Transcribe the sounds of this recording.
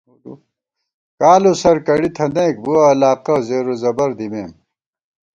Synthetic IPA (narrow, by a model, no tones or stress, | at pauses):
kaːlosɐɾkɐɽit̪ʰɐneːk̚buɐːlaːqɐzeːɾozɐbɐɾd̪imeːm